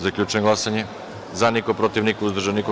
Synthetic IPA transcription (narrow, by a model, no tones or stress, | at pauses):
zakʎʲut͡ʃɛnɡlˠasaɲɛ | zanikopɾot̪ivnikouzd̪ɾ̩ʒaniko